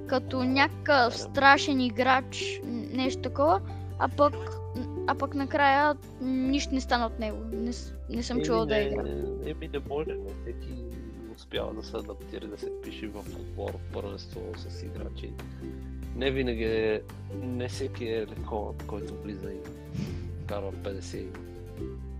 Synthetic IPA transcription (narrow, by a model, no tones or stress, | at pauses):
kɐt̪onʲakəkəfst̪ɾaʃɛniɡɾat͡ʃnɛʃt̪o̥t̪ɐkɔvə | apɐk | apɐknɐkɾajə | niʃt̪onɛst̪anəot̪nɛɡonɛs | nɛsəmt͡ʃuvəlˠɐɛiɡɾa̰ɛminɛmɔʒɛnɛfsɛki | ʊspja̰vɐ̰d̪ɐsɛɐd̪ɐpt̪iɾɐd̪ɐsɛpiʃivɐfo̰d̪bɔ̰ɾpɤɾvɛst̪osɐsḭɡɾa̰t͡ʃḭ | nɛvinɐɡʲi | nɛfsɛkʲiɛlɛxɔnə̰t̪kɔjt̪ovlizɐim | kaɾvɐpɛd̪ɛsɛid̪